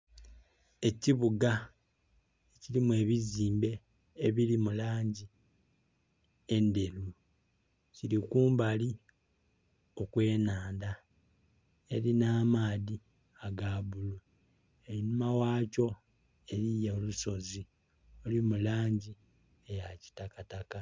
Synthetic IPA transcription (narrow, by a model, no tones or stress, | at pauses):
e̞ciβuɡa | ecilimwe̞ːβiziːmbe̞ː | βilimulaːɲɟi | e̞nde̞lu | ciɾikuːmbali | o̞kwe̞ːnaːnda | e̞ɾinaːmaːði | aɡaβulu | ejinumawaːco̞ | e̞ɾijeoluso̞zi | o̞limulaːɲɟi | ejaci̥takataka